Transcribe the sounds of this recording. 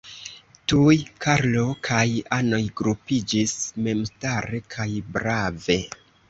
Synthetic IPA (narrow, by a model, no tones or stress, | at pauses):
tujkʰaɾlo̞kʰajano̞jɡɾupid͡ʒisme̞mstaɾe̞kʰajbɾave̞